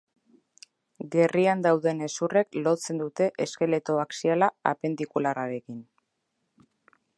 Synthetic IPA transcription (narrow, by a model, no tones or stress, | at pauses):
ɡe̞riand̪awðe̞ne̞sure̞klo̞t͡se̞nd̪ut̪e̞ʔeske̞le̞t̪o̞βaksialaa̰pe̞nd̪ikularaɾe̞kin